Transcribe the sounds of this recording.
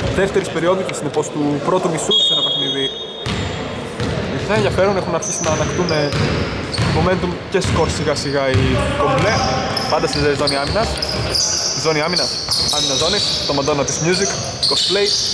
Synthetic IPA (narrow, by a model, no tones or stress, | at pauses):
ðe̞ft̪e̞ɾispe̞ɾio̞ðutesine̞po̞st̪upɾo̞t̪umisusenope̞xniði | ipiθɐenʝjɐfe̞ɾunexunɐɾçisinɐːnɐkt̪ume | mome̞nt̪umce̞sko̞ɾsiɣɐsiɣɐiovle | pɐnd̪ɐsezeɾizo̞niɐminɐs | izo̞niɐminɐs | ɐminɐzo̞nist̪omɐd̪o̞nɐt̪izmjuzik | kosp̪lejt̪